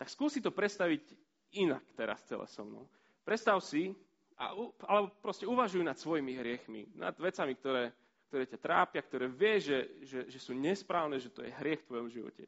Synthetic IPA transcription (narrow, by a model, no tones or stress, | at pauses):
t̪akskuːsit̪ɔpɾɛt̪st̪aʋiɟ | ina̰kt̪ɛɾa̰st͡sɛ̰lɛ̰sɔ̰mnɔ̰ʊ | pɾɛt̪st̪aʊsi | a̰ualɛbɔpɾɔscɛuʋaʒujunat̪sʋɔjimiɦɾɪɛxmḭna̰d̪ʋɛt͡samik̚t̪ɔɾɛː | kt̪ɔɾɛːcat̪ɾa̰ːpɪakt̪ɔɾɛːʋɪɛʒɛʒɛʒɛsuːɲɛspɾaːʊnɛːʒɛt̪ɔjɛ̰ɦɾɪɛxft̪ʋɔjɔmʒiʋɔ̰cɛ̰